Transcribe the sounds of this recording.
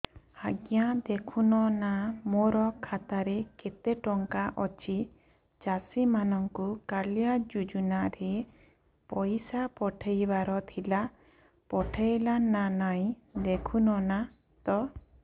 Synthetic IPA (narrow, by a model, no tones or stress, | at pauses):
haɡjãd̪ekʰunɔnamɔɾɔkʰat̪aɾɛket̪ɛʈɔŋkaʔɔt͡ʃi | t͡ʃasimanɔŋkukalijad͡ʒud͡ʒunaɾe | pɔjsapɔʈʰejbaɾɔt̪ʰila | pɔʈʰejlananaj | d̪ekʰunɔna | d̪ɔ